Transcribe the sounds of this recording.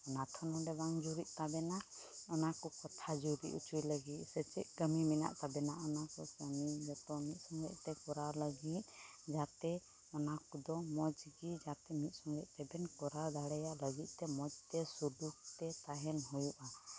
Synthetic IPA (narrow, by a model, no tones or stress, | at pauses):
nat̪ʰɔnɔdɛbaŋd͡ʒuɾiʔ̪̚ˀt̪abɛnaɔnakɔkɔt̪ʰad͡ʒuɾḭʔut͡ʃʰujləɡit̪̚ˀsɛt͡ʃɛ̰ʔ̚ɡəmimina̰ʔt̪abɛnaʔɔnakɔsənid͡ʒɔt̪ɔmit̪̚sɔŋɡɛʔ̚t̪ɛkɔɾaləɡit̪̚ˀd͡ʒat̪ɛ | ɔnakɔd̪ɔmɔd͡ʒɡid͡ʒat̪ɛmit̪̚ˀsɔŋɡɛʔ̚t̪ɛbɛnkɔɾad̪aɽɛjaʔləɡit̪̚t̪ɛmɔd͡ʒt̪ɛsuduk̚t̪ɛt̪aɦɛnɦɔjuʔa